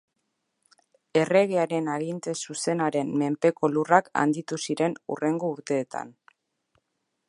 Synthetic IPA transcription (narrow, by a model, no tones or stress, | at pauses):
e̞re̞ɣeaɾe̞naɣint̪e̞suse̞naɾe̞nme̞mpe̞ko̞luraka̰nd̪it̪usiɾe̞nṵre̞ŋɡo̞uɾt̪e̞ːt̪a̰n